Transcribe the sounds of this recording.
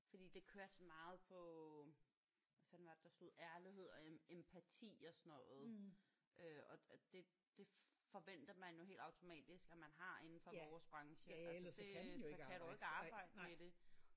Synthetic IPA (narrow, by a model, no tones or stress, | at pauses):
fɒd̥ḭːd̥e̝kʰøːɐsɒmɑ̈ːð̩ˠpʰɒ̽ | ʋæfæd̥nʋɑd̥ed̥ɑ̈sloð̰ˠæɐliɦe̝ð̞̰ˠɒeempʰæt͡sʰḭːɒ̽sɒnɔ̽ːð̩ˠ | ʔøɒ̽d̥e̝ | d̥e̝fɒ̽ʋen̰d̥ɐmænjo̝ɦe̝̰ːld̥ɑ̈ʊt͡sʰo̝mɛ̰ːd̥isɡ̥æmænɦɑ̈e̝nn̩fɒ̽ʋɒːsb̥ʁɑ̈ŋɕəælsd̥e̝sɒ̽kʰæd̥ue̝ɡ̥əɑ̈ːb̥ɑ̈ɪ̰d̥əmed̥e̝